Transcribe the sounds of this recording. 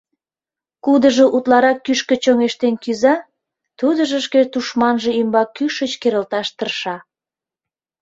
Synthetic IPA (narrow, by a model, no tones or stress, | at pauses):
kud̪əʒoʔut̪lɑɾɑkːyʃkə̆t͡ɕoŋeʃt̪enkyzɑ | t̪ud̪əʒəʃket̪uʃmɑnʒəimbɑkːyʃət͡ɕkeɾəlt̪ɑʃt̪ərʃɑ